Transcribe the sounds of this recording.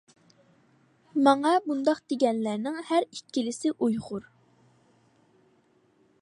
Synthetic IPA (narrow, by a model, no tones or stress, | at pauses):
mɑŋɑbund̪ɑqd̪eɡʲɛnlæɾnɪŋhæɾikʲːilɪsɪʔujʁʊɾ